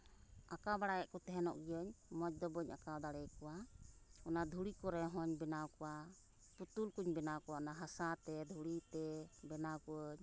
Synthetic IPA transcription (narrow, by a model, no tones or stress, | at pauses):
ʔakabaɽajɛʔkɔt̪ɛɦɛnɔ̰ʔɡjɔɲmɔt͡ʃ̚d̪ɔbɔɲakawd̪aɽɛkɔwaɔnad̪ʱuɽikɔɾɛɦɔɲbɛnawkɔwa | put̪ulkuɲbɛnawkɔwaɔnaɦasat̪ɛd̪ʱuɽit̪ɛbɛnawkɔɲ